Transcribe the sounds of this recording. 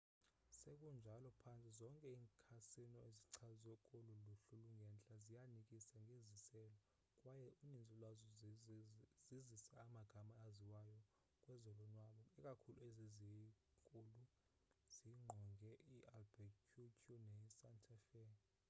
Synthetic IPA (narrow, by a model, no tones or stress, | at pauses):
sekʼund͡ʒʱalɔpʰant͡sʼizɔŋkʼɛiːŋkʰasinɔeziǀʰazɛkʼoluluɬuluŋɡʱɛnt͡ɬʼazijanikʼisaŋɡʱezisɛːlɔ | kʼwajɛunind͡zʱʼilwazɔ | zizisaːmaɡ̥ʱamaːziwajɔ | kʼwɛzɔlɔnwaɓɔɛkʼakʰuluezizikʼulu | z̥iŋ͡ǃʱɔŋɡɛiʔalbɛkʰutʰunɛsantʰʼafɛn